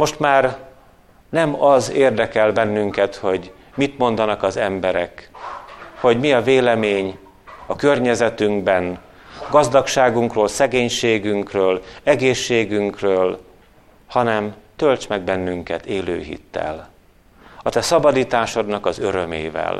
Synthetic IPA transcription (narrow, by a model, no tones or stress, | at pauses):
mo̞ʃt̪maːr | nɛmɒzeːrd̪ɛkɛlbɛnːyŋkɛt̪ho̞ɟ | mit̪mo̞nd̪ɒnɒkɒzɛmbɛɾɛk | ho̞ɟmiɒveːlɛmeːɲ | ɒkø̞rɲɛzɛt̪yŋɡbɛn | ɡɒzd̪ɒkʃaːɡuŋkroːlsɛɡeːɲʃeːɡyŋkrøːlɛɡeːʃːeːɡyŋkrøːl | hɒnɛmt̪ølt͡ʃmɛɡ̚bɛnːyŋkɛt̪eːlø̰ːɦḭt̪ːɛ̰l | ɒt̪ɛsɒbɒd̪iːt̪aːʃo̞d̪nɒkɒzø̞ɾømḛːvɛ̰l